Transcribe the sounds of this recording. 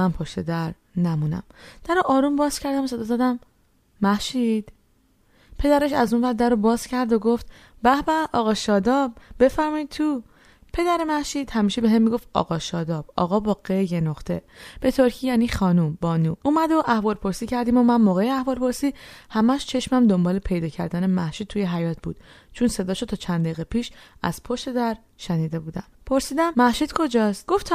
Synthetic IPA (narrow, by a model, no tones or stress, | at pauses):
ænpʰo̞ʃt̪ed̪æɾ | næmuːnæ̰md̪̥æɾoʔɒːɾumbɒːz̥cʰæɾd̪æmoseɒːzæd̪æmː | æhʃid̪̥ | pʰe̞d̪æɾe̞ʃæzunvæɾd̪æɾobɒːz̥cʰæɾd̪oɡoft̪ | bæhbæʔɒːɣɒːʃɒːd̪ɒːbbe̞fæɾmɒid̪̚t̪ʰuː | pʰe̞d̪æɾemæhʃiːd̪̥hæmiːʃebe̞ɦemːiːɡo̞ft̪ɒ̰ːɣɒːʃɒːd̪ɒːb̥̚ɒ̰ːɣɒːbɒːɣejenoχt̪ʰe̞b̥e̞t̪ʰoɾcʰijæːniːxɒːnumbɒːnuːumæd̪o̞ʔæhvɒːɾpʰo̞ɾsiːcæɾd̪iːmo̞mænmoːɣejeæhvɒːlɾpʰo̞ɾsiːhæmæʃt͡ʃʰe̞ʃmæmd̪o̞mbɒːle̞pʰe̞jd̪ɒːcʰæɾd̪ænemæhʃiːd̪̚tʰujeɦæjɒːt̪̚ʰbṵːd̪̥̚ | t͡ʃʰunse̞d̪ɒːʃot̪ʰɒːt͡ʃʰænd̪eiɣepʰiːʃæ̰z̥pʰoʃt̪e̞d̪æɾ | ʃeniːd̪e̞buːd̪æmpʰo̞ɾsiːd̪æmːæhʃid̪kʰo̞d͡ʒɒːst̪ɡ̥o̞ft̪ʰ